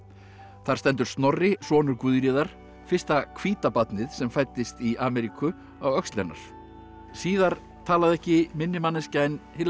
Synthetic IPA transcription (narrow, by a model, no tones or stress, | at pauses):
θaɾ̥st̪ɛnt̪ʏɾ̥st̪nɔrːɪsɔːnʏɾkvʏðɾiːðaɾ̥ | fɪr̥st̪akʰviːt̪apat̪nɪðsɛmfaːjt̪ːɪst̪iʔaːmɛɾikʰʏ | awœkst̪lɛ̰nːa̰ɾ̥ | siːðaɾ | t̪ʰaːlaðɛhcɪmɪnːɪmanːɪscajnhɪl